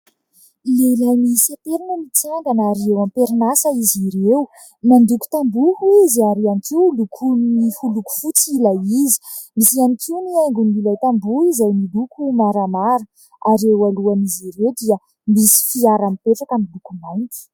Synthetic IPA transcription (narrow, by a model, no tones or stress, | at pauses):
lelamisat̪eɾinəmit͡saŋɡanaɾiewampeɾinasəiziɾew | nand̪uku̥t̪ambuhuizaɾianikiwlukʰunnihuluku̥fut͡silaizi̥ | misianikiuniajŋɡunilajt̪ambuizajnilukumaɾamaɾə | aɾewaluaniziɾewd̪iə | misi̥fiaɾamipeʈ͡ʂakamilukumajnt̪u̥